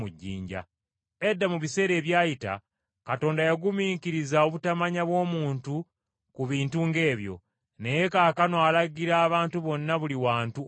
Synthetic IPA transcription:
uɟːḭːɲɟa̰ | e̞dːamuβise̞ːɾe̞ːβjaːjita̰ | kato̞ːndajaɡumiːkiɾizao̞βutamaɲaβwo̞ːmuːntu | kuβiːntuŋɡe̞ːβjo̞̰ | ne̞je̞kaːkanoalaɡiɾaːβaːntuβo̞nːaβuliwaːntu

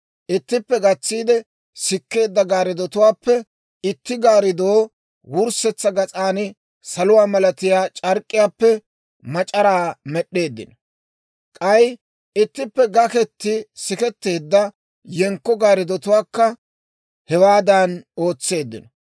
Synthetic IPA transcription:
ʔɪt̪ːɪpːɛɡɐt͡sːiːd̪ɛ | sɪkːe̞ːd̪ːɐɡaːɾɪd̪ɔt̪ʊwaːpːɛ | ɪt̪ːɪɡaːɾɪd̪oː | wʊɾsɛt͡sːɐɡɐt͡sʼaːnɪ | sɐlʊwaːmɐlɐt̪ɪjaːt͡ʃʼɐɾkʼːɪjaːpːɛ | mɐt͡ʃʼɐɾaːmɛɗːe̞ːd̪ːɪ̰nɔ | kʼɐj | ɪt̪ːɪpːɛɡɐkɛt̪ːɪsɪkɛt̪ːe̞ːd̪ːɐ | jɛŋkːɔɡaːɾɪd̪ɔt̪ʊwaːkːɐ | hɛwaːd̪aːno̞ːt͡sːe̞ːd̪ːɪ̰nɔ

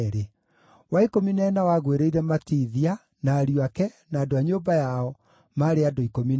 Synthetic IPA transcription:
ɾe | waikominaːnawaɣweɾeiɾɛmatiːðia | naːɾiuakɛ | naːdoaɲoːbajaɔ | maːɾeadoikomin

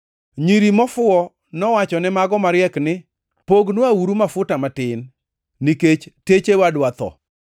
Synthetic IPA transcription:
ɲiɾimɔfʊɔ | nɔwat͡ʃɔnɛmaɡɔmaɾjɛknɪ | poɡnwawuɾumafʊtamatɪnː | iket͡ʃtet͡ʃewadwat̪ɔ̰

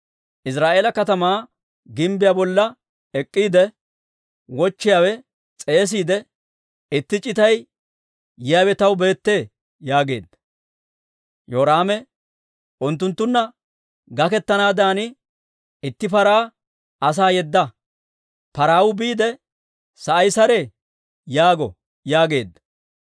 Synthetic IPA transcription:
ʔɪsɾaːʔeːlɐkɐt̪ɐmaː | ɡɪmbɪjaːbɔlːɐ | ɛkʼːiːd̪ɛ | wɔt͡ʃːɪjaːwɛ | t͡sʼe̞ːs̬iːd̪ɛ | ɪt̪ːɪt͡ʃʼɪt̪ɐj | jɪjaːwɛt̪ɐwbe̞ːt̪ːe̞ː | jaːɡe̞̰ːd̪ːɐ | joːɾaːmɛ | ʔʊnt̪ːʊnt̪ːʊnːɐ | ɡɐkɛt̪ːɐnaːd̪aːnɪ | ɪt̪ːɪpɐɾaː | ɐs̬aːjɛd̪ːɐ | pɐɾaːwʊbiːd̪ɛ | sɐʔɐjsɐɾeː | jaːɡɔ | jaːɡe̞ːd̪ːɐ

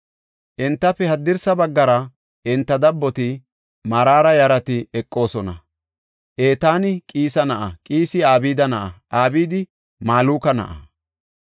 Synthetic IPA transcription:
ʔɪnt̪ːɐfɛhɐd̪ːɪɾsɐbɐɡːɐɾɐ | ɛnt̪ːɐd̪ɐbːɔt̪ɪ | mɐɾaːɾɐjɐɾɐt̪ɪɛkʼːo̞ːsɔnɐ̰ | ʔeːt̪aːnɪkʼiːsɐnɐʔɐkʼiːsɪaːbiːd̪ɐnɐʔɐʔaːbiːd̪ɪ | maːluːkɐnɐ̰ʔɐ̰

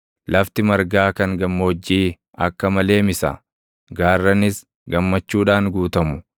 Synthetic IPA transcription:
lɐft̪ɪmɐɾɡaːkɐŋɡɐmːoːd͡ʒːiː | ɐ̰kːɐmɐle̞ːmɪsɐ̰ | ɡaːrːɐnɪs | ɡɐmːɐt͡ʃːuːᶑaːŋɡuːt̪ɐmʊ

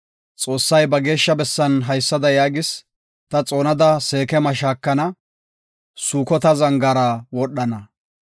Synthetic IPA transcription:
t͡sʼo̞ːsːɐjbɐɡe̞ːʃːɐbɛsːɐnɦɐjsːɐd̪ɐjaːɡɪs | t̪ɐt͡sʼo̞ːnɐd̪ɐse̞ːkɛmɐʃaːkːɐnɐ | suːkɔt̪ɐzɐŋɡɐɾɐwɔɗːɐnɐ

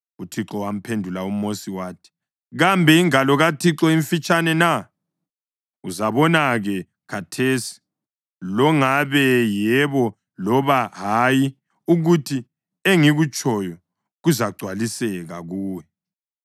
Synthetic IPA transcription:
utʰiǁɔwam̩pʰendʱulaum̩mosiwaːtʰi̥ | ɣambʱɛiŋalɔɣatʰiǁɔimfit͡ʃʼanɛna | uzaβɔnaɣɛ | kʰatʰesi̥ | lɔŋaβɛjɛβɔ | lɔβaɦaji | uɣutʰi | eŋiɣut͡ʃʼɔjɔ | ɣuzaɡ͡ǀʱwalisɛɣaɣuːwɛ

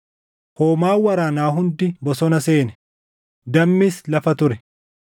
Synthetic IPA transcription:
hoːmaːwɐɾaːnaːɦʊnd̪ɪbɔsɔnɐseːnɛ̥ | d̪ɐmːɪslɐfɐt̪ʊɾɛ

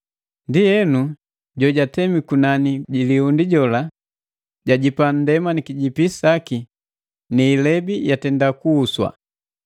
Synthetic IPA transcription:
ndijɛnu | ɟɔɟatɛmikunaniɟiliundiɟɔla | ɟaɟipan̩dɛmanikiɟipisaki | niːlɛbijatɛndakuːswa̰

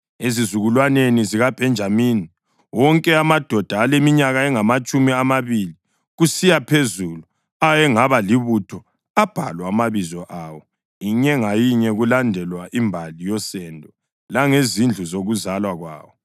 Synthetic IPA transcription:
ezizuɣulwaneniziɣab̥ʱɛnd͡ʒʱamiːni | wɔŋkʼɛamad̥ʱɔd̥ʱaːlemiɲaɣaɛŋamat͡ʃʼumiamaβili | ɣusijapʰezulu | ajɛŋaβaliβutʰɔ | ab̥ʱa̰lwamaβizɔʔawɔ | iɲɛŋajiɲɛɣulandʱɛlwaʔimbʱalijɔsɛndʱɔ | laŋezind͡ɮʱuzoɣuzalwaɣwa̰ːwɔ

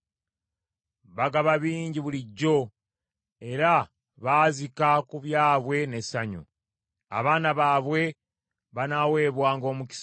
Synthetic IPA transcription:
βaɡaβaβiːɲɟiβuliɟːo̞ | e̞ɾa | βaːzikakuβjaːβwe̞ne̞saɲṵ | a̰βaːnaβaːβwe̞ | βanawe̞ːβwaːŋɡo̞ːmuci̥s

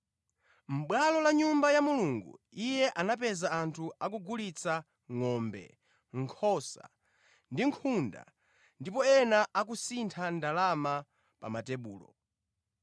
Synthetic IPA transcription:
m̩ɓwalɔlaɲumbajamuluːŋɡṵ | ijɛʔanapɛzaantʰuak̬uɡulit͡sʰa | ŋɔmbɛ̰ | ŋ̩kʰɔsa̰ | ndiŋkʰunda̰ | ndipɔɛnaʔak̬usintʰandalama | pa̰matɛɓuːlɔ̰

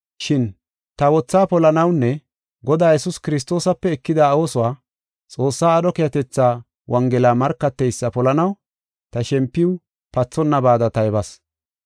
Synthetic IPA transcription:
ʃɪn | t̪ɐwɔt͡sːaːpɔlɐnɐwnːɛ | ɡɔd̪aːjɛsʊskɪɾɪs̬t̪o̞ːsɐpːɛːkːɪd̪ɐːwosʊwaː | t͡sʼo̞ːsːaːɐdɔkɪjɐt̪ɛt͡sːaː | wʔɐŋɡɛlaːmɐɾkːɐt̪ːɛjsːɐpɔlɐnɐw | t̪ɐʃɛmpːɪw | pɐt͡sːɔnːɐbaːd̪ɐt̪ɐjbɐs

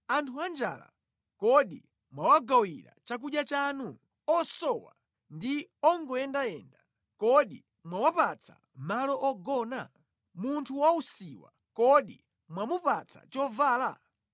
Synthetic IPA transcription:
antʰuand͡ʒa̰ːla̰ | kɔɗi | mwawaɡawiɾa̰t͡ʃak̬uɗjat͡ʃaːnu | ɔsɔwa̰ | ndiɔŋɡɔɛndaɛnda | kɔɗi | mwawapat͡sʰa̰ | malɔʔɔɡɔna | muntʰuwausiwa̰ | kɔɗi | mwamupat͡sʰa̰t͡ʃɔvaːla̰

